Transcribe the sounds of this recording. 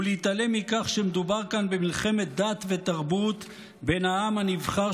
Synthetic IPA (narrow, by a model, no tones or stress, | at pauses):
uleit̪ale̞mikaχʃemed̪ubaʁkanbemilχe̞me̞t̪̚d̪at̪ve̞t̪aʁbut̪ | be̞naamhanivχa